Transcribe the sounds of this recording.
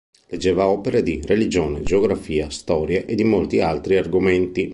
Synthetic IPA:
led͡ʒːɛːvaɔːpeɾad̪irelid͡ʒɔːned͡ʒeoɡɾafiːast̪ɔːɾjaʔed̪imolt̪ialt̪ɾiarɡoment̪i

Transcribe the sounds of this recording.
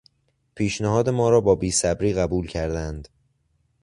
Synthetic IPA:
pʰiːʃnæɦɒːd̪e̞mɒːɾɒːbɒːbiːsæbɾiːɣæbuːlcʰæɾd̪ænd̪

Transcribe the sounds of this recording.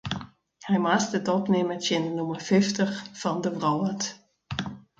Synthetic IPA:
hɛjmastətɔpnɪmətjɪnənuməfɪftəxfɔndəvrɔwət

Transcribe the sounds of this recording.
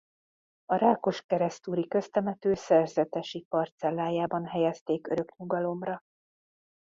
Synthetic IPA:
ɒɾaːko̞ʃkɛɾɛst̪uːɾikø̞st̪ɛmɛt̪øːsɛrzɛt̪ɛʃipɒrt̪sɛlːaːjaːbɒnɦɛjɛst̪eːkøɾø̞kɲuɡɒlo̞mrɒ

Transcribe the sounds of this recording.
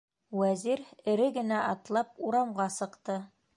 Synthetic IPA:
wæziɾɘ̆ɾɘɡɘ̆næʔɑt̪lˠɑp̚uɾɑmʁɑsɤ̆qt̪ɤ

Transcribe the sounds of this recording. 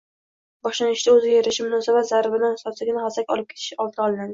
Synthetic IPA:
bɒʃlanɪʃd̪aɵzɪjeɾɪʃɪmʊnɒsabat̪zaɾbɪd̪ansɒt̪sɪɡʲɪnɪχasakʲɒ̰lɪp̚kʰʲe̥t̪ʰɪ̥ʃɒlˠt̪ʰɒlˠɪnad̪ɪ

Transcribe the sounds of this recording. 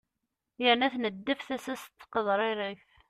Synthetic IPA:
jəɾnæθnəd̪ːəfθæsæst̪ːqəðɾˤinəç

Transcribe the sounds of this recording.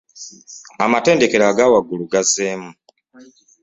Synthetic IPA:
amate̞ːnde̞ke̞ɾaɡaːwaɡuluɡazeːmu

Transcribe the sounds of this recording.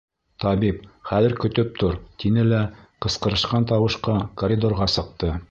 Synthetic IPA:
t̪ɑβipχæðɘ̆ɾkɵ̆t̪ɵp̚t̪ʰoɾt̪inɘlæqɤ̆sqɤ̆ɾɤ̆ʃqɑnt̪ɑwɤ̆ʃqɑkorʲid̪orʁɑsɤ̆q̚t̪ɤ

